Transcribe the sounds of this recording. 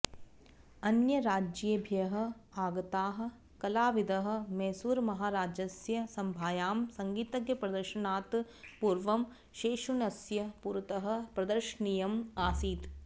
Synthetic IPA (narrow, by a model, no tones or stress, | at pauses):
ɐnjɐɾaːd͡ʒɐbʱjɐɦɐ̆aːɡɐt̪aːɦɐ̆ | kɐlaːʋid̪ɐɦɐ̆mɛːsuːɾmɐɦaːɾaːd͡ʒɐsjɐsɐmbʱaːjaːmsɐŋɡiːt̪ɐɡjɐpɾɐd̪ɐɾʃɐnaːt̪ | puːɾʋɐm | ʃeːʃunɐsjɐpuːɾt̪ɐɦɐ̆pɾɐd̪ɐɾʃɐnijɐmaːsiːt̪